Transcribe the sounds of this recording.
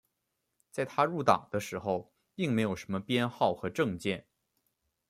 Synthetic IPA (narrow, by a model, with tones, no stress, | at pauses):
t͡sa˥˩ɪt̪ʰa˥ɻu˥˩t̪ɑ̰˨˩ŋd̪ə˦ʂɻ̩˧˥xo˥˧ʊ | pi˥˩ŋme˧˥ɪjo˨˩ʊʂə˧˥mə˧pjɛ˥nxɑ˥˩ʊxɤ˧˥ʈ͡ʂɤ˥˧ŋt͡ɕjɛ˥˩n